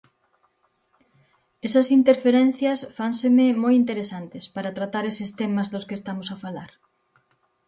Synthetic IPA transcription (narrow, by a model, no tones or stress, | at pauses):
esɐsint̪eɾfeɾɛn̟θjɐsfansememojint̪eɾesant̪ɪspaɾat̪ɾat̪aɾesest̪emɐzðʊskeːst̪amosafalaɾ